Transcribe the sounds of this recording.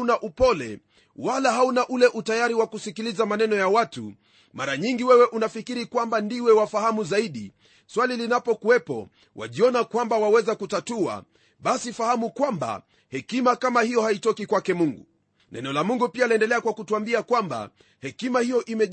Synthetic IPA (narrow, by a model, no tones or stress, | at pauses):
unaʔupɔlɛ̰ | walaɦaunaʔulɛʔutajaɾiwakusikilizamanɛnɔjawatṵ | maɾaɲiŋɡiwɛwɛʔunafikiɾikwambandiwɛwafahamuzaiɗḭ | swalilinapɔkuwɛpɔ̰ | wa̰ʄiɔnakwambawawɛzakutatua̰ | ɓasifahamukwamba̰ | hɛkimakamahijɔhaitɔkikwakɛmuŋɡṵ | nʔɛ̰nɛɔlamuŋɡupialiɛndɛlɛakwakutuambiakwamba̰ | hɛkimahijɔʔimɛ